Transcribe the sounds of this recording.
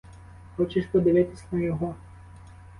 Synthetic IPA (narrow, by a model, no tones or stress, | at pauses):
xɔt͡ʃɛʃʲpɔd̪ɪʋɪt̪ɪsʲnɐjɔɦɔ